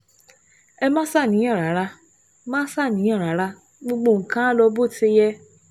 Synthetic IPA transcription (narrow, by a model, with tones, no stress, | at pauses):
ɛ˧mãː˦sa˦˨nĩ˨˦ɔ̃˦˨ɾa˨˦ɾa˧ | mãː˦sa˦˨nĩ˨˦ɔ̃˦˨ɾa˨˦ɾa˧ | ɡ͡bo˧ɡ͡bo˧˨ŋ̩˨kã˦lɔ˧bo˦˨te˧˦jɛ˧˦